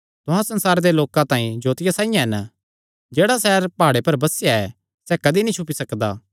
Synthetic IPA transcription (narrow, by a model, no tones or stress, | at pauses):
t̪ʊɦãsɐ̃nsaːɾd̪eloːkãt̪ãːĩd͡ʒoːt̪ɪjasãːɪjãɦɛn | d͡ʒeːɽasɛːɾpaːɽepɐɾbɐsɪjaɛ | sɛkɐd̪inĩt͡ʃʰʊpisɐkd̪a̰ː